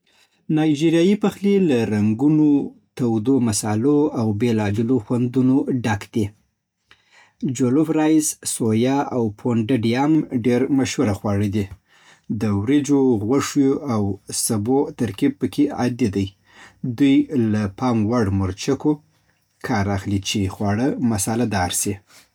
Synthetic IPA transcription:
nɑjd͡ʒiɾjɑjipaxlelaɾaŋɡunot̪awd̪omasɑloawbelɑbɪloxwand̪unoɖakd̪i | d͡ʒolʊfɾajssojɑawpʰoɳɖaɖijamɖeɾmaʃhuɾaxwɑɽid̪i | d̪əwɾid͡ʒoɣwaʂjoawsabot̪aɾkib̚pəkʰea̰d̪id̪aj | d̪ujlapɑŋwaɽmʊɾt͡ʃako | kʰɑɾaxlit͡ʃexwɑɽəmasalad̪ɑɾsi

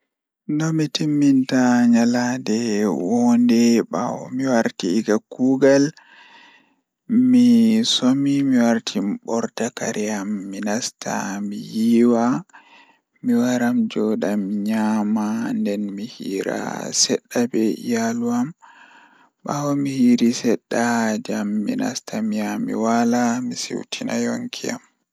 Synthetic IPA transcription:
ndɔmitimːintaɲaladɛwɔndɛɓa̰wɔ̰miwaɾtiːɡakuːɡal | misomimiwaɾtʰimɓɔɾtaka̰ɾʔijamːinastʰa̰mijiːwa | miwaɾamd͡ʒɔɗamɲamandɛnmihiːɾa̰sɛɗːabɛijaluam | bawɔmihiːɾisɛɗːad͡ʒamːina̰stʰamijamːḭwalamisḭwtʰina̰joŋkʰija̰m

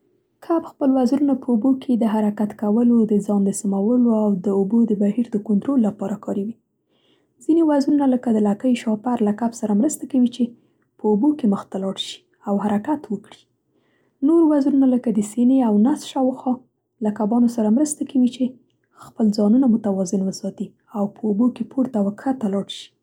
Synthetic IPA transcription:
kʰabxpəlwazɾunapəubokʰed̪əɦaɾakat̪kawəlod̪əzɑnd̪əsamawəloawd̪əobod̪əbahiɾd̪əkʊnt̪ɾolːapɑɾakɑɾiwi | zinewazɾunaləkad̪əlakəjʃɑpaɾlakabsaɾamɾəst̪akawit͡ʃe | pəubokeməxt̪alɑɽʃi̥ | awhaɾakat̪wəkɽi̥ | noɾwazɾunaləkad̪əseneawnasʃawxɑ | lakabɑnosaɾamɾəst̪akawit͡ʃe | xpəlzɑnunamʊt̪awɑzɪnwəsɑt̪i | awpəobokepʰoɾt̪awaxat̪alɑɽʃi̥

